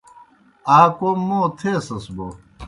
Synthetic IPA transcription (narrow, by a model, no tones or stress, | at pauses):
aːkommːoːt̪ʰeːsɐsbo